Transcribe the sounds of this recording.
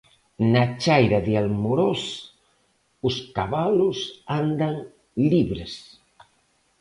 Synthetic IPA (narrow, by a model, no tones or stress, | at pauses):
nat͡ʃajɾaðealmoɾos | ʊskaβalʊsand̪aŋ | liβɾes